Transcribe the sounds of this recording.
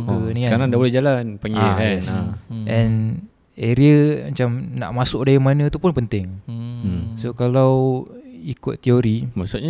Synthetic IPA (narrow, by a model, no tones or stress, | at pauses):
kəniakaɾaŋdabolɛhd͡ʒalanpaŋiaɛsʔɛn | eɾiəmat͡ʃamna̰ʔmasʊkdajimanət̪upʊnpənt̪ɪŋ | sokalaw | ikʊt̪ːioɾimaʔsʊʔɲa